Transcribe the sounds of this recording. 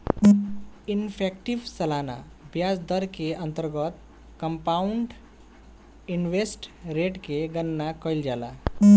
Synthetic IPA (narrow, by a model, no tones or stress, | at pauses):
infʰɛkʈiʋsəlana̰ | bjad͡zd̪əɾkeənt̪əɾɡət̪ | kəmpauɳɖ | inʋesʈɾeʈkeɡənːakəjld͡ʑala